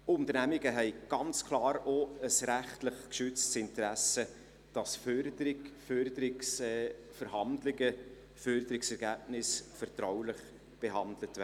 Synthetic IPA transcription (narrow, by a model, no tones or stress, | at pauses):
ʊnt̪əɾnæmɪɡ̥əɦɛɪɡ̥ɑnt͡skʰlɑːɾoəsɾæχtlɪχkʃʏt͡stsɪntəɾæsə | d̥ɑsfœɾdəɾɪɡfœɾdəɾɪks | fəɾhɑndlɪɡə | fœɾdəɾɪksɛɾɡæːbnɪsfɛɾtɾawlɪχ | b̥eɦɑndlətæː